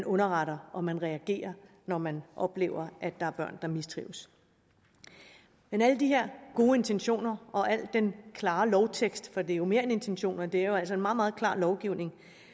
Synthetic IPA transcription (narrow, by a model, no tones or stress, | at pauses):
nʔɔ̽nɐʁɑɾ̥ɐʔɒ̽mænʁɛæɡ̥e̝̰ːɐ | nɒmænʔɒ̽b̥le̝̰ːʊɐʔæd̥ːɑ̈æɐb̥ɶɐ̰nd̥ɑ̈misd̥ʰʁḭːʊs | menæləd̥iɦe̝ɐ̰ɡ̥o̝ːe̝nt͡sʰenɕo̝̰ːnɐʔɒ̽ʔæl̰d̥enkʰlɑ̈ːlɒʊt͡sʰeɡ̥sd̥fɒ̽d̥e̝æjo̝me̝ːɐene̝nt͡sʰenɕo̝̰ːnɐd̥e̝æɐjoæl̰sɒe̝nmɑ̈ːð̩ˠmɑ̈ːð̞̩ˠkʰlɑ̰̈ːlɒʊɡ̥iʊ̰ne̝ŋ